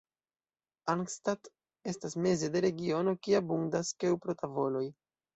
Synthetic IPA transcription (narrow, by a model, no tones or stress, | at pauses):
aŋkstat | e̞stasme̞ze̞de̞ɾe̞ɡio̞no̞kiabuŋdaskewpɾotavo̞lo̞j